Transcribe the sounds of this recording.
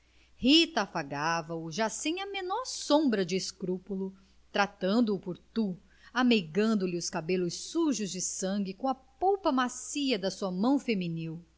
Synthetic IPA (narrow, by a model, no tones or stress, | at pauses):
hit̪ɐːfaɡavɐʊʒasẽj̃ɐmenɔɾsõbɾɐd͡ʒɪːskɾupulʊ | t̪ɾat̪ɐ̃nd̪ʊːpoɾt̪u | ameɡɐ̃nd̪ʊlɪʊskabelʊsːuʒʊzd͡ʒɪsɐ̃ɡɪkõɐpowpɐmasiɐd̪ɐsuɐmɐ̃w̃feminiw